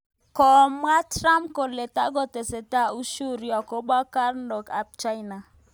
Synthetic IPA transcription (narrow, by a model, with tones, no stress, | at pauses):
kɔ˨mwa˦tɾa˦mpkɔ˨le˨ta˦ɡɔ˦tɛ˨sɛ˨ta˦˨u˦ʃu˦ɾja˨kɔ˦ba˦ka˦ɾndɔ˨ka˨p̚t͡ʃa˦jna˨